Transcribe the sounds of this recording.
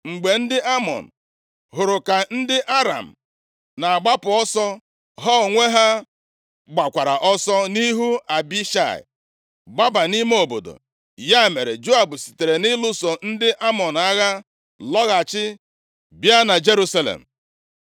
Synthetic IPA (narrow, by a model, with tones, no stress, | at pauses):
ŋ͡m̩˨ɡ͡be˨n̩˦dɪ˦ʔa˦mɔ̰˨n̩˨ | ɦʊ˨ɾʊ˨ka˨n̩˦dɪ˦ʔa˦ɾa̰˨m̩˨ | na˨a˨ɡ͡ba˦pʊ˨ɔ˦sɔ˦ | ɦɔ˦˨ŋʷe˦ɦa˦ | ɡ͡ba˨kʷa˨ɾa˨ʔɔ˦sɔ˦ni˦ɦu˦a˨bi˦ʃa̰˨ɪ̰˨ | ba˦ba˨ni˦m˦o˨bo̰˨do̰˨ | ja˦˨me˨ɾḛ˨d͡ʒo˦a˨bʊ˨si̥˨te˨ɾe˨nɪ˦lʊ˦sɔ˨n̩˦dɪ˦ʔa˦mɔ˨n˨a˦ɣa˦ | lɔ˦ɣa˨t͡ʃɪ˦ | bja˦na˨d͡ʒe˦ɾu˦sa˦lḛ˨m̩˨